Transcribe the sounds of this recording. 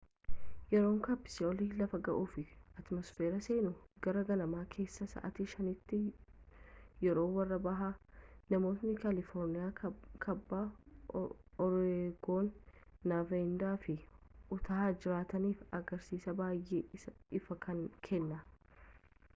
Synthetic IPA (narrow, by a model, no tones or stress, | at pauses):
jɛɾo̞ːŋkapːɪ̥sɪɔliːlɐfɐɡɐʔuːfɪʔɐt̪mɔsfeːɾɐse̞ːnʊɡ̥ɐɾɐɡɐnɐmaːkʰe̞ːsːɐsɐ̰ːʔɐt̪iːʃɐnɪt̪ːɪ | jɛɾo̞ːwɐrːɐbɐɦanɐmo̞ːt̪nɪkɐlɪfɔːɾnɪjaːkʰɐbːaː | ɔɾeːɡo̞ːnːaːfeɪnd̪aːfɪʔʊt̪ʰɐaːd͡ʒɪɾaːt̪ɐniːfɐɡɐɾsiːsɐbaːjʔeːɪfɐkʰɐŋkʰɛnːɐ